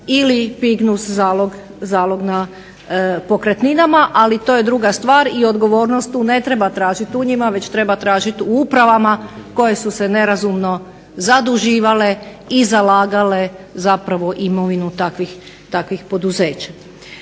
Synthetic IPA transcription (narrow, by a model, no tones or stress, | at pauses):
ilipiɡnuszaːloɡ | zaːlˠo̞ɡna | po̞kɾet̪ninamaʔalit̪oːje̞d̪ɾuɡast̪ʋaːɾio̞d̪ɡo̞ʋo̞ːɾnost̪ːuːne̞t̪ɾe̞bat̪ɾaːʒit̪uɲimaʋe̞t͡ɕt̪ɾe̞bat̪ɾaːʒit̪uupɾaʋamako̞je̞suse̞ne̞ɾazumno̞ | zad̪uʒiːʋale̞ | izalaːɡale̞zapɾaʋo̞ʔimoʋinut̪akʋix | t̪akʋixpo̞d̪uze̞ːt͡ɕḁ